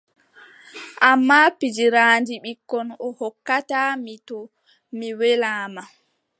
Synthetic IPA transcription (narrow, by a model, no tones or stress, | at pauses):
ʔamːapid͡ʒiɾaːnd͡ʒiɓikːɔnɔhɔkːatamitɔ | miwɛlaːma